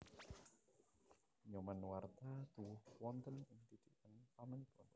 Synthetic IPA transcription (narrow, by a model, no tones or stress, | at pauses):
ɲɔmanwart̪at̪uwʊhwɔnt̪ənɪnt̪id̪iʔənpamənpɔn